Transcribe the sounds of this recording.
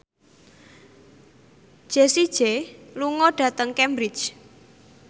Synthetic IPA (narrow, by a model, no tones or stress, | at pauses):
d̥ʒ̥e̤sid̥ʒ̥eluŋɔɖ̥ä̤t̪əŋkɛmbɾit͡ʃ